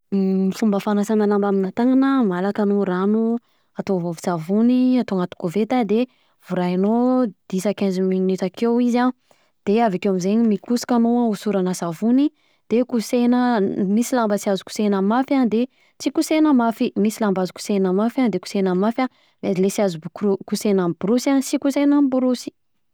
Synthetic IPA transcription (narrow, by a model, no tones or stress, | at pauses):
mifumbəfanasananambaminat̪aŋanəmalakanoɾanu | at̪ovovi̥savuniat̪oŋat̪u̥kovet̪ad̪e | v̥uɾainod̪̥isakɛnzminit̪akewiza | d̪̥eavakewamizeɲimikusi̥kanoausuɾanasavuni | d̪̥ekusenəmisilambət͡siazu̥ku̥senəmafand̪e | t͡sikusenəmafimisilambazuku̥senəmafand̪eku̥senamafa | mazilesiazukusenambuɾusansikusenambuɾusi̥